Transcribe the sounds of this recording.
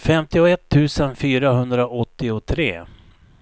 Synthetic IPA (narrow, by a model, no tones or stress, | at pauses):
fɛmt̪ɪʊɛt̪ʰːʉ̟ːsənfyːɾaɦɵnd̪ɾaʔɔt̪ːɪʊt̪ʰɾḛː